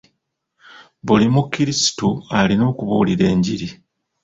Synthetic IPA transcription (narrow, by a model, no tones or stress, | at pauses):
βulimukːiɾisi̥tualino̞ːkuβuːliɾe̞ːɲɟiɾi